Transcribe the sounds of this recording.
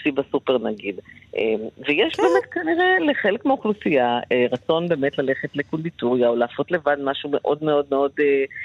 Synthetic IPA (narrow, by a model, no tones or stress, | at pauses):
sibasupe̞ʁnaɡidʔemvejeʃbbe̞ːmet̪̚kaniʁeleχelekmeoχlusijaeʁat͡so̞nbe̞ːmetlale̞χetlekund̪ituʁjaolaːfo̞tle̞vadmaʃume̞ʔo̞dmeo̞dmeo̞de